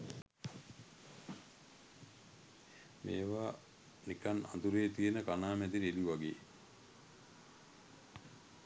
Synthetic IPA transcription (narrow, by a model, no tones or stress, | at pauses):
mḛːʋaː | nikana̰nd̪uɾeːt̪ijənəkanaːmɛd̪iɾeliʋaɡeː